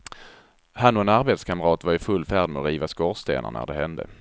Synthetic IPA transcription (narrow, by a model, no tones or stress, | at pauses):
hanʊɛnaɾbeːt̪skʰamɾɑːt̪vaɾɪfɵlːfæːɖmɛɔɾiːvaskɔst̪ḛːnʔa̰ɳnʔæ̰ɖɛɦɛnd̪ə̰